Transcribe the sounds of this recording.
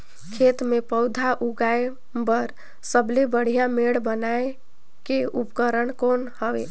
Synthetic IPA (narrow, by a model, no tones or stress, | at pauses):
kʰet̪mepəʊd̪ʱaʔuɡae | bəɾ | səblebəɽ̤ijameɽbənae | keupkəɾəɳkonhəbḛ